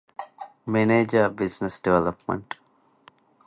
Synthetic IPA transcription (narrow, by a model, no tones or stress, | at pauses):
meneːd͡ʒɐbisnesɖiʋelɐpmɐ̰ɳʈ